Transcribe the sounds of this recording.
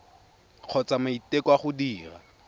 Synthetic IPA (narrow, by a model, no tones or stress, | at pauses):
q͡χʰɔt͡samaitekwaχʊdiːra̰